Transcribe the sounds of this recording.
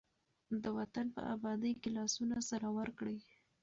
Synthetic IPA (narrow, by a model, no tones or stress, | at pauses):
d̪əwat̪anpə̰ʔa̰bɑd̪əjkelɑsunasaɾawəɾkɽi